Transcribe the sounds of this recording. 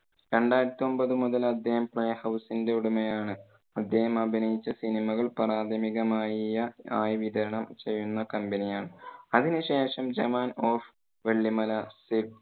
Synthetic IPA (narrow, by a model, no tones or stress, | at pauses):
ɾe̞ɳɖaːjɾɐt̪ːio̞mbɐðɨmuðɐlɐd̪jɐhɐmpɭejhɐwsinde̞uɽumɐjaːɳɨ | ɐd̪jɐhɐmɐbʱinɐjit͡ɕːɐsinimɐɣɐɭpɐraːd̪ʱɐmiɣɐmaːjijɐaːjʋid̪ɐɾɐɳɐmt͡ɕe̞jːunːɐkɐmbenijaːɳɨɐðinɨɕe̞ːʂɐmd͡ʑɐmaːnoːf | ʋe̞ɭːimɐlɐsib